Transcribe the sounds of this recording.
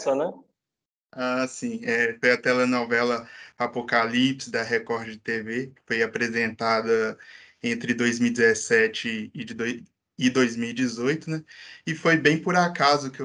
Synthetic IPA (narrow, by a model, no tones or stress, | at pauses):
sɐnɛ | asĩɛfojɐt̪ɛlɐnɔvɛlɐapokalipsɪd̪ɐɦekɔɾd͡ʒd͡ʒɪt̪evekɪ̥fojapɾezẽnt̪ad̪ɐ | ẽnt̪ɾɪd̪ojzmiwid͡ʒɪzɛsɛt͡ʃɪːɪd̪o | ɪd̪ojzmiwid͡ʒɪzojt̪ʊnɛɪfojbẽj̃pʊɾakazʊke